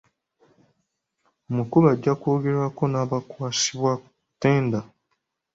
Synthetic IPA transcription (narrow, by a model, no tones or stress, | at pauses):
omukuβaɟːako̞ːɡe̞ɾako̞naːβakwaːsiβwa | tːeːnda